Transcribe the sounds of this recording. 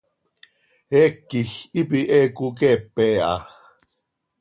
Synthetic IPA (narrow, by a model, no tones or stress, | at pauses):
ɛkːixipiʔɛkukɛpɛʔɑ̰